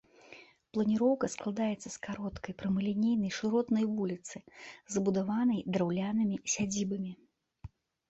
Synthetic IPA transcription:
plˠɐnʲiɾɔwkɐsklˠad̪ajɛt̪sːɐskaɾɔt̪kɐjpɾɐmɨlʲinʲejn̪ɐjʂɨɾɔt̪nɐjvulʲit̪sɨzɐbud̪avanɐjd̪ɾawlʲanɨmʲisʲad͡zʲibɐmʲi

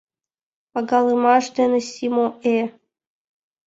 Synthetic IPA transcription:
pɑɡɑlˠɨmɑʃd̪enɘ̆sʲimoʔe

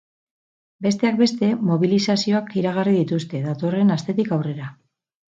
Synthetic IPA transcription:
be̞st̪e̞ak̚be̞st̪e̞mo̞β̞ilisasio̞akiɾaɣ̞ariðit̪ust̪e̞ðat̪o̞re̞nast̪e̞t̪ikawre̞ɾa

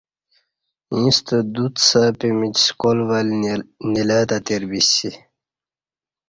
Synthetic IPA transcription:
ĩːst̪əd̪ut̪sapimit͡ɕskolʋalnilaːt̪ɐt̪eɾbisi

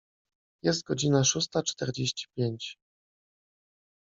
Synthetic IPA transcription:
jɛst̪̚ɡɔd͡ʑinaʂust̪at͡ʂt̪ɛɾd͡ʑeɕt͡ɕi̥pʲjeɲt͡ɕ

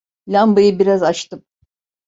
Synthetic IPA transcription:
lʲambɯjɯbiɾazat͡ʃt̪ɯm

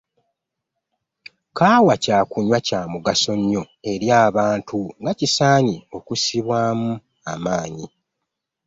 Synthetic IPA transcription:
kaːwacaːkuɲwacaːmuɡaso̞ɲːo̞ | e̞ɾjaːβaːntuŋɡacisaːɲio̞kusiβwaːmu | amaːɲi

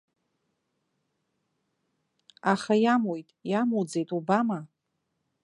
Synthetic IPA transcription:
aχajamojtʼjamud͡ze̞jtʼubama

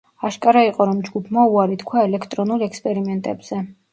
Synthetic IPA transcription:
aʃkʼaɾaiqʼɔɾɔmd͡ʒɡupʰmauaɾit̪kʰwaɛlɛkʰt̪ʼɾɔnulˠɛkspʼɛɾimɛnt̪ʼɛbz̥ɛ

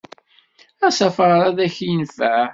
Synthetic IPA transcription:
æsɑfɾɾæðæçjənfæ

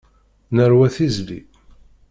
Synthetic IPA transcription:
nəɾwæθizlḭ

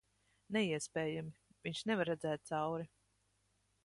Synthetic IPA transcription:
nɛiɛspɛːjamiviɲʃnɛvaɾːɛd̪zɛːt̪̚t̪sawɾi

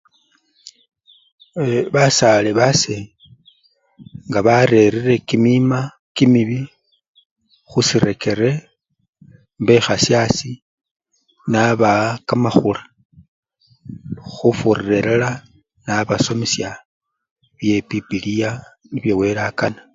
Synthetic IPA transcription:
eβasaleβase | ŋɡaβaɾe̞ɾire̞kimima | kimiβi | xusiɾe̞ke̞ɾe̞ | mbe̞xasjasi | naβakamaxula | xufurire̞ɾela | naβaso̞misja | βje̞pipilija | niβjewe̞ɾakana

